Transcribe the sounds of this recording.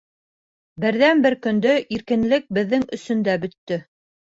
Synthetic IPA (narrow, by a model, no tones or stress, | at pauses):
bɘ̆ɾðænbɘɾkɵ̆nd̪ɵʔiɾkɘ̆nlɘk̚bɘ̆ðːɘŋɵ̆sɵ̆nd̪æbɵ̆t̪ːɵ